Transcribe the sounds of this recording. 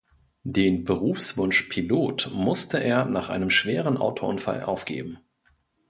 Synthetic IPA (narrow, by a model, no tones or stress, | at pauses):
deːnbəʁ̞uːfsv̥ʊnʃpʰiloːtmʊstʰəʔeːɐnaːχʔa̰ɪnəmʃv̥eːʁ̞ənʔa̰ʊtʰoʔʊnfa̰lʔa̰ʊfɡ̥ḛːbm̩